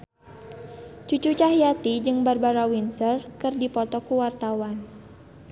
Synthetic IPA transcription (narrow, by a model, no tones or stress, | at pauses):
t͡ʃut͡ʃut͡ʃaɦijat̪id͡ʒɨŋbarbaɾawinsərkɨrdipɔt̪ɔkuwart̪awan